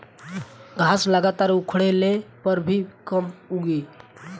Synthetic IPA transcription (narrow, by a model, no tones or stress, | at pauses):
ɡʱasləɡat̪aːɾukʰɽelepəɾbʱikəmuɡe